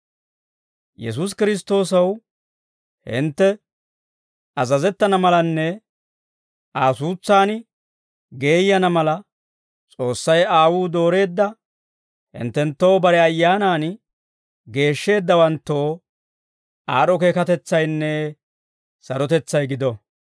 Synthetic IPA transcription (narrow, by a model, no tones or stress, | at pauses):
jɛ̰s̬us̬kɪɾɪs̬t̪o̞ːsɐw | hɪ̰nt̪ːɛ | ɐzɐzɛt̪ːɐnɐmɐlɐnːɛ | ʔaːsuːt͡sːaːn | ɡe̞ːjːɐnɐmɐlɐ | t͡sʼo̞ːsːɐjaːwuːd̪o̞ːɾe̞ːd̪ːɐ | hɪ̰nt̪ːɛnt̪ːo̞ːbɐɾɛɐjːaːnaːn | ɡe̞ːʃːe̞ːd̪ːɐwɐnt̪ːo̞ː | aːɗɔke̞ːkɐt̪ɛt͡sːɐjnːɛ | sɐɾɔt̪ɛt͡sːɐjɡɪd̪ɔ